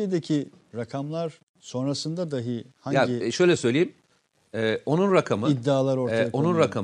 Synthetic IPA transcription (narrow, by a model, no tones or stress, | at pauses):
ied̪ecʰi | ɾakʰamlˠaɾ | so̞nɾasɯnd̪ad̪aɦɯhajaiʃø̞jlʲɛsø̞jlʲejim | ɛːo̞nunɾakʰamɯid̪ːiaːlˠaɾo̞ɾaao̞nunɾakʰam